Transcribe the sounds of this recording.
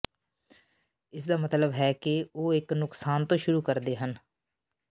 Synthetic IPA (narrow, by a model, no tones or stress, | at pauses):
ɪsd̪aːmət̪ləbɦɛːkɪoːɪknʊksaːnt̪õːʃʊɾuːkəɾd̪eːɦən